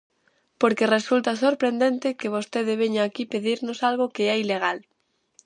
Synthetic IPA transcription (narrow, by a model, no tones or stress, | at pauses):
poɾkeresult̪as̬oɾpɾend̪ent̪ɪkeβ̞ost̪eðɪβ̞eɲaːkipeðiɾnosalɣokeaileɣ̞al